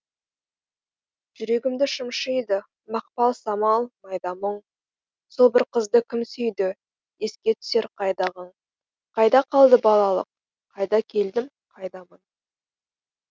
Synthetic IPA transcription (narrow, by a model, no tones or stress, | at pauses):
ʒ̥ʏɾe̞ɡʲɪmd̪ɪʃəmʃəjd̪ə | mɑq̚pɑlˠsɑmɑlˠmɑjd̪ɑməɴ | sobɪɾqʰəzd̪əkʲʰɪmsʏjd̪ɪ | e̞skʲe̞t̪ʰʏ̥se̞ɾqʰɑjd̪ɑʁəɴ | qʰɑjd̪ɑqʰɑlˠd̪əbɑlˠɑlˠə̰q̚ʰː | ɑjd̪ɑkʲʰe̞ld̪ɪm | qʰɑjd̪ɑmən